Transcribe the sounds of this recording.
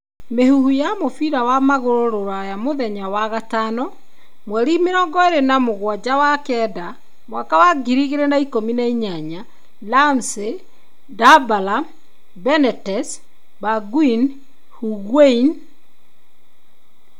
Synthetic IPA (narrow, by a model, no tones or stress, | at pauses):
mehuhujamofiɾawamaɣoɾoɾoɾwajamoðɛɲawaɣatanɔ | mwɛɾimeɾɔːŋɡɔeɾenamoɣwad͡ʑawakɛda | mwakawaɡiɾiɣeɾenaikominaiɲaɲa | lamse | dabala | bɛnɛtɛs | baɡwin | huɣwein